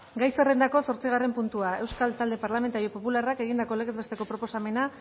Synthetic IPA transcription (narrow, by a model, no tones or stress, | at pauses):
ɡajsere̞nd̪ako̞so̞ɾt͡siɣ̞are̞mpunt̪uae̞wskalt̪ald̪e̞paɾlament̪aɾio̞po̞pularake̞ɣind̪ako̞leɣe̞zβe̞st̪e̞ko̞pɾo̞po̞same̞na